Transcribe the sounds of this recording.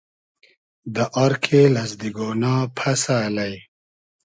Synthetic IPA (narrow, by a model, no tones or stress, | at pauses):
d̪əʔaɾkʰelɐsd̪iɡoːnaːpʰɐsaːlaj